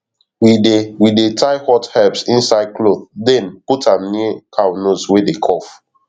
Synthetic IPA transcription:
wiewidetʰaɪhɔthɛpsĩnsaɪd̚kloθdɛ̃nputãmnikʰawnoswedekʰɔf

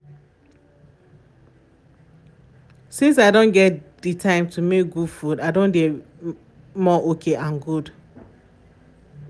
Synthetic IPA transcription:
sĩns̬aɪdõnɡɛtditʰãɪ̃mtʰumek̚ɡud̥fudaɪdõnɡɛ | mɔʔokʰeʔãnɡud

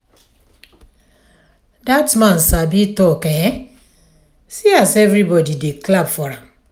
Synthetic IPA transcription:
datmãnsabitɔkɛ̃ | siasɛvɹibɔdideklabfɔɾã

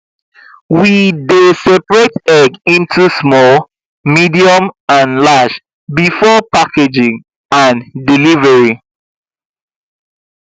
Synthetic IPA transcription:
widesɛpɹetɛɡĩntʰusmɔl | midiɔ̃mãnlaʃ | bifɔpaked͡ʒĩŋ | ãndilivɛɹi

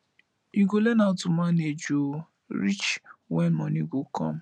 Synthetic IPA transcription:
iɡolɛnãtũmãned͡ʒo | ɾit͡ʃwɛnmɔ̃nĩɡokɔ̰̃m

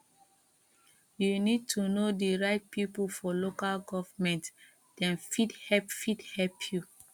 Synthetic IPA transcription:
junid̚tʰunodiɹaɪt̚pipulfɔlokalɡɔvamɛ̃nt | d̥ɛ̃nfidhɛpfidhɛlpʰju

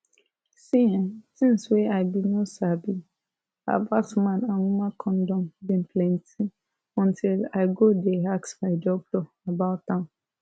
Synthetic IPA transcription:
sĩntĩnsweʔaɪbĩnosabi | a̰vasmãnãnumãkʰɔ̃ndɔ̃mbĩnpʰlɛ̃ntʰi | ɔ̃ntʰilaɪɡodɛaksmaɪd͡ʒɔk̚dɔ | abaʊtãʊ̃n

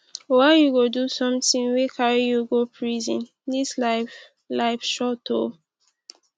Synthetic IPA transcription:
wajuɡodusɔ̃mtĩŋwekʰaɹijuɡopʰɹizĩn | dislaf | laɪfʃɔtʰo

